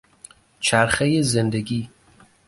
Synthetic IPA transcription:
t͡ʃʰæɾχejezend̪eɡiː

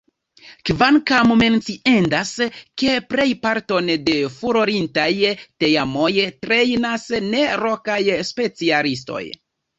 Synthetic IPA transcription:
kvankamume̞nt͡siʔendaske̞pɾe̞jpaɾto̞nde̞fuɾo̞ɾintajte̞jamo̞jtɾe̞jnasne̞ɾokajspe̞t͡sialis̬to̞̰j

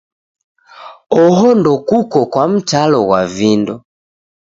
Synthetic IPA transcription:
ɔɦɔndɔkukɔkwam̩talɔɣwavindɔ

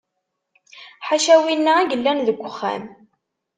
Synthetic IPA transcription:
ħaʃæwinːaæɡəlːænðəɡʷːəχːæ̰m

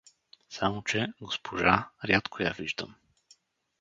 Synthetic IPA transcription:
samot͡ʃɛɡospʰoʒaɾʲjat̪kʰoja̰viʒd̪ə̰m

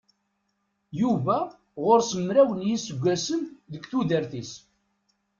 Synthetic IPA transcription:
juvæ | ʁoɾsəmːɾæwənjisəɡʷːæsənðəɡθuðəɾθis

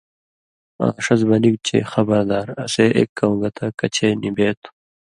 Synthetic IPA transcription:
a̰ːʂɐzbɐnik̚t͡ɕʰḛxɐbɐɾd̪aːɾɐseːʔḛːkːɐũɡɐt̪ʰɐkɐt͡ɕʰeːnibeːt̪ʰu̥

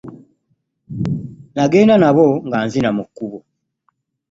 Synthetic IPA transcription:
naɡeːnanaβoŋɡaːnzinamukːuβo

